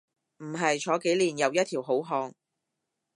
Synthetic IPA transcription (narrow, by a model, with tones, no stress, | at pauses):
m̩˨˩ɦɐ˨jt͡ʃʰɔː˨˧ke˨˥jliː˨˩njɐ˨˧wjɐ˥t̪̚ʰi˨˩wɦo˨˥wɦɔː˧ŋ